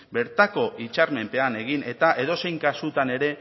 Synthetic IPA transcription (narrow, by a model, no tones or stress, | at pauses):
be̞ɾt̪ako̞ʔit͡ʃaɾme̞mpe̞ane̞ɣ̞ine̞t̪aʔe̞ð̞o̞se̞jŋkasut̪ane̞ɾe̞